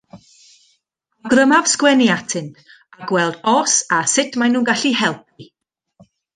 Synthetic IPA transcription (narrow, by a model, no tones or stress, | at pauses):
ɡrəmav̥skwɛnjatʰɨnt | aɡwɛlˠdɔsasɪtʰmajnuːnɡaɬihɛlˠp̚ʰi